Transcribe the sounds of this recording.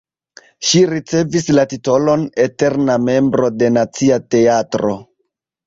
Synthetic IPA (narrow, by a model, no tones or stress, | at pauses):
ʃiɾit͡se̞vislatito̞lo̞nete̞ɾname̞mbɾo̞de̞nat͡siate̞atɾo